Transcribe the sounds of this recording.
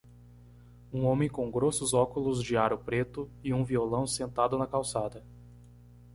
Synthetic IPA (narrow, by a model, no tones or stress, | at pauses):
ũõmẽj̃kõw̃ɡɾosʊzɔkʊlʊzd͡ʒɪaɾʊpɾet̪ʊɪũviolɐ̃w̃sẽnt̪ad̪ʊnɐkawsad̪ɐ